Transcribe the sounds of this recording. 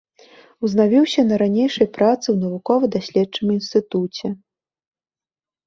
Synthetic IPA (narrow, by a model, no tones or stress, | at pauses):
wznavʲiwsʲɐnɐɾanʲejʂɐjpɾat̪sɨwnɐvukɔvɐd̪asʲlʲɛdt͡ʂɨminst̪ɨt̪ut͡sʲɛ